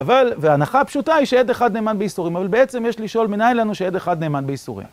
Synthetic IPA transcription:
avalveaːnaχapʃut̪aiʃejed̪eχad̪ne̞ːmanbeisuʁimavalbeet͡se̞mjeʃliʃo̞lminajlanuʃejed̪eχad̪neːmanbeisṵʁḭm

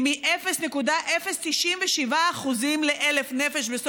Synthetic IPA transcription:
miʔefesnekud̪aʔe̞fest̪iʃinveʃivaːχuzimleʔelefnefeʃbes

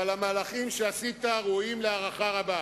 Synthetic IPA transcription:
alamaːlaχimʃeasit̪aʁoimleaʁaχaʁaba

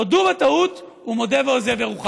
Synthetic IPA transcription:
oduvat̪aut̪ | umo̞d̪eveozeveʁuχa

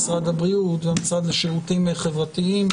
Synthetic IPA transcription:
sʁad̪abʁiutveamisʁad̪haʃeʁutimeχevʁat̪iim

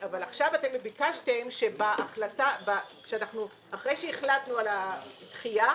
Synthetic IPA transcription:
avalaχʃavatemːebikaʃtemʃe̞baʔːχlatabakʃeanaχnu | aχʁejʃeiχlat̪nualat̪χija

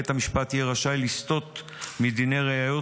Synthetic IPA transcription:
et̪amiʃpat̪jeʁaʃajlist̪o̞t̪ | mid̪ine̞ʁeajo̞

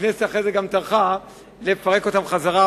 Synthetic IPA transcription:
neseaχʁejzeɡamt̪aʁχa | lefaʁe̞ko̞t̪amχazaʁa

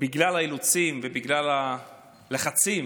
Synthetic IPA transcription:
biɡlalhailut͡simvebiɡlala | leχat͡sim

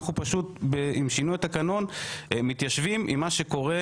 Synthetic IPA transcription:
χnupaʃut̪beimʃinuet̪akano̞nmit̪jaʃvimʔḭmːaʃe̞ko̞ʁe

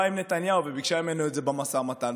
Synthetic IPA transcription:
imnet̪anjauvebikʃaimenuetzebamasamat̪an

